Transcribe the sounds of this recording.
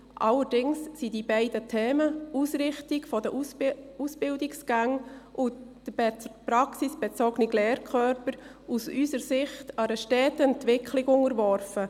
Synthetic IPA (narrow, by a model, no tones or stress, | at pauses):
ʔɑləɾd̥ɪŋssidibɛɪdətʰɛːməusɾɪχtɪɡfɔdəʔusb̥ɪldɪksɡ̥æŋʔʊd̥əpɾɑksisb̥ɛt͡sɔɡniɡlɛːɾkʰχœɾpəɾ | usysəɾsɪχtɑɾəʃtɛːtɛntʋɪkχlɪɡʊŋəɾʋɔɾfə